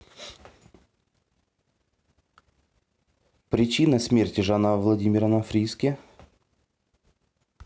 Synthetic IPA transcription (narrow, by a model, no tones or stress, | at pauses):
pɾʲɪt͡ɕinəsʲmʲerʲtʲɪʐanavlˠɐdʲimʲɪɾənɐfɾʲiskʲɪ